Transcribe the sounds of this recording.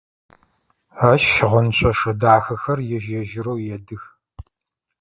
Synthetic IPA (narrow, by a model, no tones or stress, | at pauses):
aʃːɪʁɐnɕʷʰʼɐʂɐdaːxɐxɐrjɛʒjɛʒɪɾowjɛdɨx